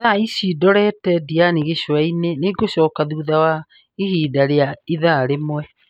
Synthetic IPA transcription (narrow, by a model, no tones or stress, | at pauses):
ðaisidɔɾɛtɛdianiɣeɕwaineneɡoɕɔːkaðuːðawa | ihiːdaɾeaiðaɾemwɛ